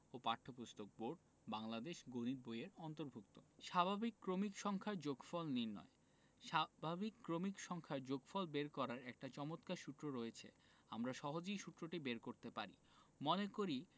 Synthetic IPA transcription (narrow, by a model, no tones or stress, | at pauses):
opaʈʰopust̪ok̚boɾɖ | baŋlad̪eʃɡoniɾbojeɾɔnt̪oɾbʱukt̪oʃabʱabikːɾomikʃɔŋkʰaɾd͡ʑoɡfɔlninɔ̰e | ʃabʱabikːɾomikʃɔŋkʰaɾd͡ʑoɡfɔlbeɾkɔɾaɾɛk̚ʈat͡ɕɔmot̪kaʃut̪ːɾoɾoet͡ɕʰḛ | amɾaʃɔɦod͡ʑiʃut̪ɾoʈibeɾkoɾt̪epa̰ɾḭ | monekoɾi